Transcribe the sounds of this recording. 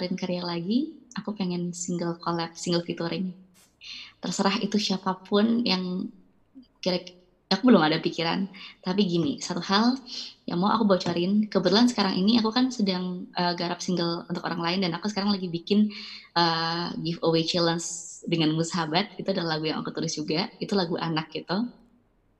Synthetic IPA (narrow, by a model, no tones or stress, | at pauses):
ɾɪnkaɾijalaɡiakupeŋɛnsiŋɡəlkolɛp̚siŋɡəlfit̪uɾɪn | t̪ərsəɾahḭt̪uʃiapapʊnjaŋ | kiɾak | akubəlʊmadapikiɾa̰nt̪apiɡinḭsat̪uhalja̰ŋmawʔa̰kubawt͡ʃaɾɪnkəbət̪ulansə̥kaɾaŋʔiniakukansədaŋʔəːɡaɾap̚siŋɡəlṵnt̪ʊkoɾaŋlaɪndanakusə̥kaɾaŋlaɡibikɪnʔəɡɪfowet͡ʃilənsdəŋanmusaɦabat̪̚ɡit̪uadalahlaɡuja̰ŋʔa̰kut̪ulɪsd͡ʒuɡait̪ulaɡuʔa̰nak̚ɡit̪u